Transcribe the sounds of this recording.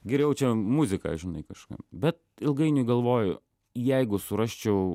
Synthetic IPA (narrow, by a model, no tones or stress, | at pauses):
ɡʲɛɾʲɛʊt͡ʃʲɛmuzʲɪkɑ̰ːʒʲɪnɐ̰ɪkɐʃkɑ̰ːpbʲɛt̪̚ɪlˠɡɐɪnʲʊɡɐlˠʋoːjʊ | jɛɪɡʊsʊɾɑʃʲt͡ʃʲɛʊ